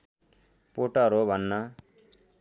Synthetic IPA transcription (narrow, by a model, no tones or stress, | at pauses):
poʈaɾobʱʌnːʌ